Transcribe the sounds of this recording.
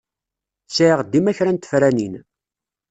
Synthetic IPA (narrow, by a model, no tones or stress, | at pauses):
sʕiʁd̪ːimæçɾænt̪ə̥fɾænin